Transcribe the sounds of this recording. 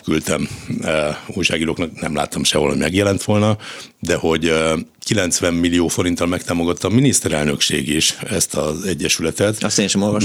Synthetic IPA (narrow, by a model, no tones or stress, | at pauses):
kylt̪ɛm | ujʃaːɡiːɾoːknɒknɛmla̰ːt̪ːɒmʃɛolhoɟmɛɡjɛlɛnt̪ʋo̞lnɒd̪ɛho̞ɟ | kilɛnt̪sʋɛmːilːijoːfo̞ɾint̪ːɒlmɛkt̪aːmo̞ɡɒt̪ːɒːminist̪ɛɾɛlnø̞kʃḛːɡiʃɛst̪ɒzɛɟːɛʃylɛt̪ɛt̪ɒst̪eːnʃɛmolvɒʃ